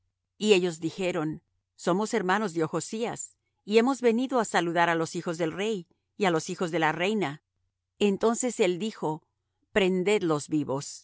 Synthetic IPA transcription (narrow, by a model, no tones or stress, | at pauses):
ie̞ʝo̞zðixe̞ɾo̞n | so̞mo̞se̞ɾmano̞zðjoxo̞sias | ie̞mo̞zβe̞niðo̞asaluðaɾalo̞sixo̞zðe̞lre̞j | ialo̞sixo̞zðe̞lare̞jna | ent̪o̞nse̞se̞ld̪ixo̞ | pɾe̞nd̪e̞d̪lo̞zβiβo̞s